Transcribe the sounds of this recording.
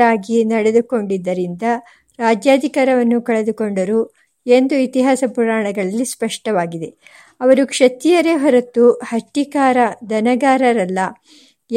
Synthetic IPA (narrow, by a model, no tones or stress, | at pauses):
aːɡinɐɽed̪uko̞ɳɖid̪ːɐɾind̪ɐ | ɾaːd͡ʒjaːd̪ʱikaːɾɐʋɐnːukɐɭed̪uko̞ɳɖɐɾuː | e̞nd̪uit̪iɦaːsɐpuɾaːɳɐɡɐɭɐlːispɐʂʈɐʋaːɡid̪e̞ | ɐʋɐɾukʂɐt̪ijɐɾe̞ɦɔɾɐt̪ːuhɐʈːikaːɾɐd̪ɐnɐɡaːɾɐɾɐlːɐ